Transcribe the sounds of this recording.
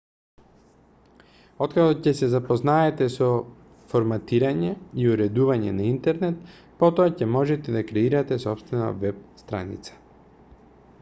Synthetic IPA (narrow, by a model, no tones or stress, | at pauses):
ɔt̪kaɡɔcɛsɛzapoznaɛt̪ɛsɔ | foɾmat̪iɾaɲɛiuɾɛd̪uvaɲɛ̰naint̪ɛɾnɛt̪ | pɔt̪oacɛmɔʒɛt̪ɛd̪akɾɛiɾat̪ɛsɔpst̪vɛna̰vɛp̚st̪ɾa̰nḭt̪sḁ